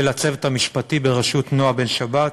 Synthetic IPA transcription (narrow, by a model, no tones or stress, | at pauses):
elat͡se̞vet̪amiʃpatibeʁaʃut̪noabe̞nʃabat